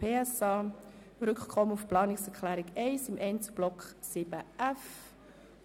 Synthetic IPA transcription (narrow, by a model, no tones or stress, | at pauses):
peːɛsɑː | ɾʏkkʰɔməufplɑːnɪksɛʁkʰlɛːɾɪɡɛɪsɪmʔɛɪnt͡sə̥b̥lɔksiːbəʔɛf